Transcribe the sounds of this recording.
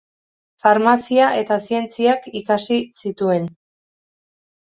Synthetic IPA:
faɾmasiaʔe̞t̪asie̞nt͡siakikasisit̪ue̞n

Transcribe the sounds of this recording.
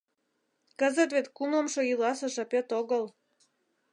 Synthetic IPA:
kəzə̆t̪βet̪kumlə̆mʃoilɑsə̆ʒɑpet̪oɣəl

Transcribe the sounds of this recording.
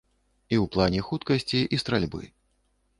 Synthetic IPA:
iwplˠanʲɛxut̪kɐsʲt͡sʲiʔist̪ɾalʲbɨ̰

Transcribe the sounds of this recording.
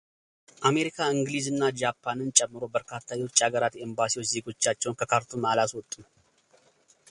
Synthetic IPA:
ʔame̞ɾikʰaɨŋɡlizɨnːad͡ʒapʰːanɨnt͡ʃʼɛmːɨɾo̞bəɾkʰat̪ʰːajwot͡ʃːʼaɡəɾat̪embasiwot͡ʃːze̞ɡo̞t͡ʃːat͡ʃːɛwnkʰəkʰaɾt̪ʰumalaswɔt̪ʼːum

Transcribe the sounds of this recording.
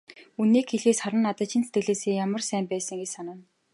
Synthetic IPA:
unːiːkxeɮeːsχaɾə̆nːat̪ə̆t͡ɕɪ̆nset̪ɡɘ̆ɮeːseːjamə̆rsæːmpæːsə̆ŋɡesanə̆n

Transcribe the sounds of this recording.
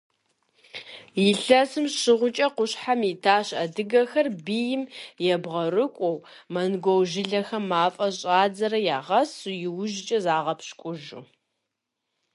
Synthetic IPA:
jɪɬɐsɨmɕɪʁʷʊt͡ʃʼɐqʷʊɕħamitʰaːɕɐdɨɡɐxɐrbijɪmjɛbʁɐrɨkʷʼɔw | mɐnɡʷowʒɪɮɐxɐmːaːfʼɐɕʼaːd͡zɐɾɐjaːʁɐsujɪwʊʒt͡ʃʼɐzaːʁɐpɕkʷʼʊʒṵ

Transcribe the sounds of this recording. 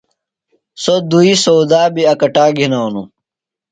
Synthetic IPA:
sod̪uisowd̪aːbiɐkɐʈaːɡʱinaːonṵ

